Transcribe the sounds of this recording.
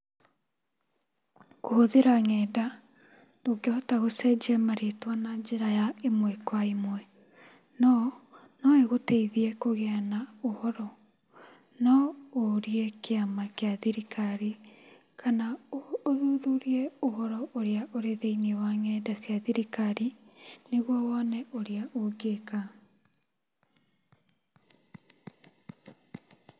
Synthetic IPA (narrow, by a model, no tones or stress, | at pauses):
kohoðeɾaŋɛda | noɡehɔtaɣosɛd͡ʒiɛmaɾietwanad͡ʒeɾajaemwɛkwaimwɛ | nɔ | nɔeɣoteiðiɛkoɣeanaohɔɾɔ | nɔoɾiɛkeamakeaðiɾikaɾi | kʰanaoðuðuɾiɛohɔɾɔʔoɾeaʔoɾeðeiniewaŋɛdasjaðiɾikaɾineɣwɔwɔnɛoɾeaʔoɡeka